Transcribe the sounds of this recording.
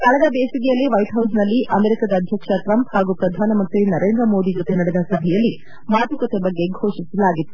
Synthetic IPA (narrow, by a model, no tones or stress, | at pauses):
kɐɭɐd̪ɐbeːsiɡɛjɐlːiʋɐjʈɦɐwsnɐlːiʔɐmeːɾikad̪ɐːd̪ʱjɐkʂɐʈɾɐmphaːɡupɾɐd̪ʱaːnɐmɐnt̪ɾinɐɾe̞ːnd̪ɾɐmo̞ːd̪id͡ʒɔt̪enɐɽed̪ɐsɐbʱɛjɐlːi | maːt̪ukɐt̪ebɐɡːeɡʱo̞ːʂisɐlaːɡit̪ːu̥